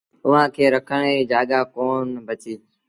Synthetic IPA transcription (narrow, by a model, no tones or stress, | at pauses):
ʊɦãːkʰeːɾəkʰəɽ̃ed͡ʒaːɠaːkoːnbət͡ʃiː